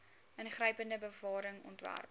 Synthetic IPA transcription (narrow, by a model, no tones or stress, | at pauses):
ənχrəjpəndəbəvɑːɾəŋɔ̰ntvæ̰rp̚